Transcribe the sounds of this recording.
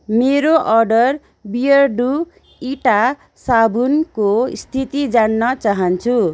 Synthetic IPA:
meɾoʔʌrɖʌr | bijʌrɖu | iʈa | sabunkost̪ʰit̪id͡zanːʌt͡saɦʌnt͡sʰu

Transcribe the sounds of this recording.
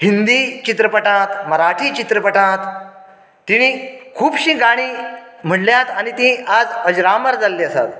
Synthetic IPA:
hind̪it͡ɕit̪ɾəpəʈãt̪məɾaʈʰiːt͡ɕit̪ɾəpəʈãt̪ː | iñikʰuːpɕĩːɡaɽ̃iː | m̤əɽljat̪anit̪ĩad͡zəd͡ʑɾaməɾd͡zalːiəsa̰t̪

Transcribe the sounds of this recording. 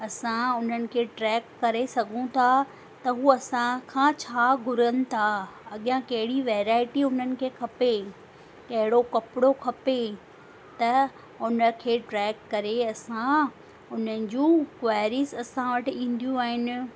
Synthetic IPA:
ɐsãʊn̤ənɪ̆kʰeːʈɾɛːkːɐɾesɐɡʱũt̪ʰa | t̪ɐɦuːɐsãkʰãt͡ɕʰaːɡʱʊɾənɪ̆t̪ʰaɐɠɪjãkɐɦɪɽiʋɛːɾaːɪʈiʊn̤ənɪ̆kʰeːkʰɐpe | kɐɦɪɽokɐpɪɽokʰɐpe | t̪ɐ | ʊnə̆kʰeːʈɾɛːkːɐɾeɐsã | ʊn̤ənɪ̆d͡ʑũːkʋaːɪɾisɐsãʋɐʈɪĩːn̆d̪ijũaːɦɪnɪ̆

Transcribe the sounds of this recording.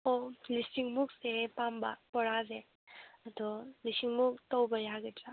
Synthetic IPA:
olisiŋmuk̚sepambɐ̰pɔɾaze | ɐdɔlisiŋmuk̚tɔwbɐjaɡetʰa

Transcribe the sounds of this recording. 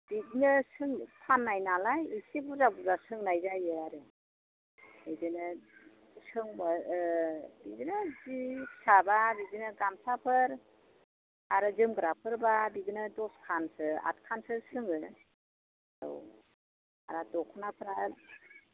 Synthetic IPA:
b̥iɡnɯsɯŋkʰanːajnalajɯsibuzabuzasɯŋnajzajɯaɾɯ | idɯnɯ | sɯŋba | biɡɯnɯzipʰsababiɡɯnɯɡamsapʰɯɾ | aɾɯzɯmɡɾapʰɯɾbabiɡnɯdɔskʰansɯa̰t̚kʰansɯsɯŋɯ | aɾɔ̰w | a̰ɾadɔkʰɔnapʰɯɾa

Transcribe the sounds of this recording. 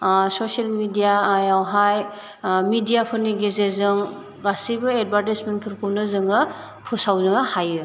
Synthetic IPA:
soselmidijajawɦaj | midijapʰɯniɡezezɯŋ | ɡasibɯed̚baɾtismenpʰɯɾpʰuwnɯzɯŋɯ | pʰusawzɯŋahajɯ

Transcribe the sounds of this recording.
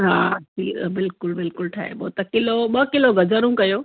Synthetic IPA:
ɦaːsḭːbɪlkʊlbɪlkʊlʈʰa̰ːɦḛboːt̪ɐkɪloɓɐkɪloɡɐd͡ʑəɾũkɐjoː

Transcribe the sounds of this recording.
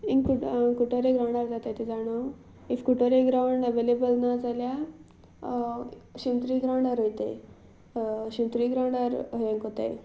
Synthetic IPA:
iŋkukuʈəɾeɡɾawɳɖaɾd͡zat̪at̪ʰid͡zaɽ̃o | ifkuʈəɾeɡɾawɳɖəʋelebəlnad͡zalja | ɕint̪ɾiːɡɾawɳɖaɾɦojt̪ḛ | ɕint̪ɾiɡɾawɳɖaɾɦẽŋkɦot̪a̰j

